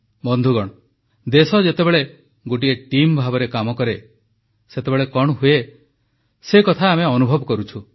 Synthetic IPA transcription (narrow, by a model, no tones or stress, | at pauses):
bɔnd̪ʱuɡɔɽ̃ɔ | d̪esɔd͡ʒet̪ebeɭe | ɡoʈ̬ieʈimbʱabɔɾekamɔkɔɾe | set̪ebeɭekɔɳ̃ɔɦue | sekɔt̪ʰaːmeɔnubʱɔbɔkɔɾut͡ʃʰu